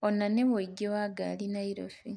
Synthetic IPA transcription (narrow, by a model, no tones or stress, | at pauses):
onanewoiɟewaːɡa̰ːlinaiɾo̰fi